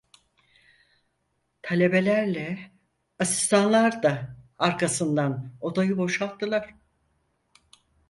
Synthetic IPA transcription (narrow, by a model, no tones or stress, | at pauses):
t̪ʰalʲe̞be̞lʲæɾlʲɛ | asi̥st̪ʰanlˠaɾd̪aaɾkʰasɯnd̪ano̞d̪ajɯbo̞ʃalt̪ːɯlˠaɾ̥